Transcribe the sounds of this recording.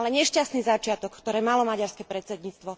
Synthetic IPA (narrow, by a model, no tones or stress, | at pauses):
lɛɲɛʃcast̪niːzat͡ʃɪat̪ɔkːt̪ɔɾɛːmalɔmaɟaɾskɛpɾɛt̪sɛd̪ɲiːt͡st̪ʋɔ